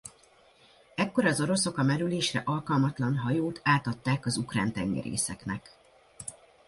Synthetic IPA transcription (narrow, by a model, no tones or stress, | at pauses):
ɛkːo̞ɾɒzo̞ɾo̞so̞kɒmɛɾyleːʃrɛʔɒlkɒlmɒt̪lɒnɦɒjoːt̪ʰaːt̪ɒt̪ːaːkɒzukra̰ːnt̪ɛŋɡɛ̰ɾḛːsɛknɛk